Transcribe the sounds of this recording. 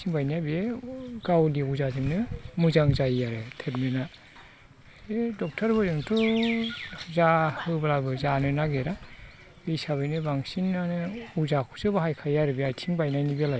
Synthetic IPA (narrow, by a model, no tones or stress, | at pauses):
tʰiŋbajnab | ɡawliuzazimnɯmuzaŋzajjaɾɯtʰet̚mena | dɔk̚tʰɔɾbɯzɯŋtʰu | zahɯbalabɯzanɯnaɡeɾa | isaβɯjnɯbaŋsinːanɯuzakʰusɯbaɦajkʰajaɾɯbiajtʰiŋbajnajnibelaj